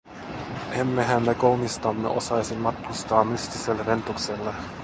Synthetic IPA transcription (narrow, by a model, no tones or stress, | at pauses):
ʔemːeɦæmːekolmist̪ɑmːḛʔo̞̰sɑjsimːɑt̪̚kust̪ɑːmmyst̪iselːɾent̪ukselːe